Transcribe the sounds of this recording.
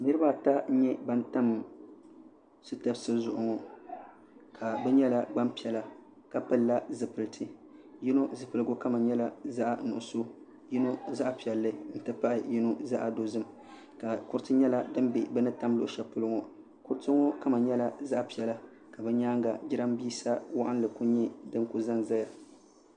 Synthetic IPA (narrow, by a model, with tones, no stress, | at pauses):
nɨ˦ɾɨ˦ba˦˨ta˦ɲɛ˦ba˦n˦ta˦m | sɨ˦ta˨bsɨ˦zʊ˨ʔʊ˨ŋɔ˨ | kʰa˨bɛ˦ɲɛ˦la˦ɡ͡ba˦mpi˨ɛ˨la˨ | ka˨pɨ˦lːa˦zɨ˨pɨ˨ltʰɨ˨ji˦no˦zɨ˨pɨ˨lɨ˦ɡʊ˦ka˦ma˨ɲɛ˦la˦za˦ʔa˨˦nʊ˨ʔʊ˨so˦ | ji˦no˦za˦ʔa˨pi˨ɛ˨lːɨ˦n̩˨tɨ˦pa˦ʔɪ˨ji˦no˦za˦ʔa˨do˦zɨ˦m | ka˨kʊ˦ɾtɨ˦ɲɛ˦la˦dɨ˦mbe˨bɛ˦nɨ˦ta˦m˦lʊ˨ʔʃɛ˨pʊ˦lɨ˦ŋɔ˨ | kʊ˦ɾtɨ˦ŋɔ˦ka˦ma˨ɲɛ˦la˦za˦ʔa˦˨pi˨ɛ˨la˦ | ka˨bɛ˦ɲaː˦ŋɡa˨d͡ʒɪ˦ɾa˦mbiː˦sa˦wa˦ʔa˦n˦lɨ˨ku˦ɲɛ˦dɨ˦ŋku˦za˦ŋza˦ja˨